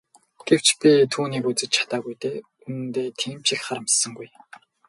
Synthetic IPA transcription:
ɡ̥ew̥t͡ɕpʲit̪ʰuːniːkut͡sɘ̆t͡ɕt͡ɕʰḁt̪aːɣujt̪eː | unɘ̆nt̪eːt̪ʰiːmt͡ɕikχaɾə̆msə̆ŋɡuj

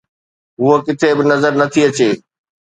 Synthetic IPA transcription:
ɦuɦokɪt̪ʰebɪnɐzəɾnɐt̪ʰiɐt͡ɕeː

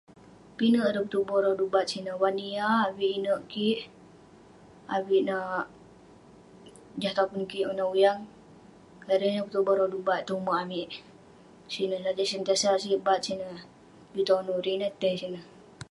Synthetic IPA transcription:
pinəʔɾəput̪ubɔɾɔdubat̪̚sinəwaniaːwiʔinəʔkiʔ | awiʔnaʔ | d͡ʒaht̪akunkiʔunaujaŋ | kaɾənaput̪ubɔɾɔdubaʔ̪t̪uumaʔamiʔ | sinəhlad͡ʒasənt̪iasaʔsibat̪̚sinə | but̪anuɾinət̪ɛsinəh

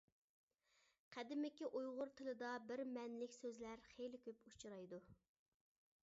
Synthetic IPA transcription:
qʰæd̪ɪmɪkʲiʔujʁʊɾt̪ʰɪlɪd̪ɑbɪɾmɛnlɪkʲsøzlæɾχejlɪkʲøput͡ʃʰɾɑjd̪u

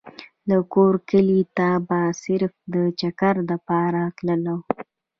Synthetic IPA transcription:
lakoɾkəlit̪abasɪɾfd̪ət͡ʃakaɾləpɑɾakləlaw

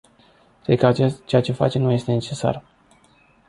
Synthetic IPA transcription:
kɾed̪̚kəat͡ʃet͡ʃe̞jat͡ʃe̞fa̰t͡ʃe̞nuje̞st̪ene̞t͡ʃe̞sa̰r

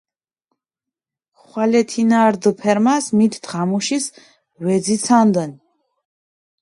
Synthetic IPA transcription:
χwalɛt̪ʰinaɾd̪pʰɛɾmasmit̪ʰːʁamuʃis | wɛd̪zit̪sʰand̪ən

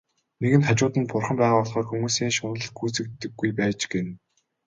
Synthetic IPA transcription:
neɣɘ̆nt̪ʰat͡ɕʊːt̪ə̆npʊrχə̆mpæːʁʊːɮχɔːrxumuːsiːŋʃʊnə̆ɮɡuːt͡sɘ̆k̚t̪ːɘ̆ɡːujpæːt͡ɕɡen

